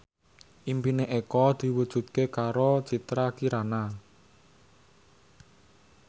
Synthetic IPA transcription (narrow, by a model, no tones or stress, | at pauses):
ʔimpineʔekɔd̪̥i̤wud̥ʒ̥ṳt̪̚kekaɾot͡ʃit̪ɾakiɾana